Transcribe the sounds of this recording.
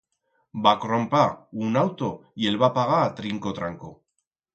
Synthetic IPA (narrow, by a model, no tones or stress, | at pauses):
bakɾompaunawt̪o̞jelβapaɣat̪ɾiŋkot̪ɾaŋko